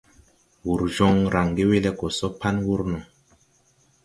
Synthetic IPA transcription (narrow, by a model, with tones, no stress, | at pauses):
wu˨ɾd͡ʒɔ˦ŋɾa˨ŋɡe˦we˦lɛ˦kɔ˨sɔ˦pa˦nwu˦ɾnɔ˨